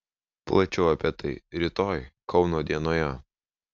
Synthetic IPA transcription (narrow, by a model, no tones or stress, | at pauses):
plˠɐt͡ʃʲɛʊɐpʲiɛt̪ɐɪɾʲit̪oːjkɒʊnoːd̪ʲiɛnoːjɛ